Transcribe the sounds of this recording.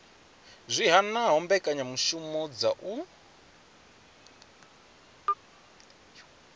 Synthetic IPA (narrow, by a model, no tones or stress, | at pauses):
zʷiɦanaɦɔmbɛkʼaɲamuʃumɔd͡zaʔu